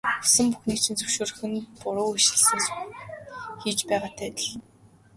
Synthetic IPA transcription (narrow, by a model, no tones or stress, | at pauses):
u̥sɘ̆mpuxniːkt͡ɕʰĭnt͡sɵ̥wʃoːɾɘ̆xɘ̆npʊɾʊːɵʃɪ̆ɮsɘ̆ŋs | xiːt͡ɕpæːʁaːt̪ʰæːt̪ə̥̆ɮ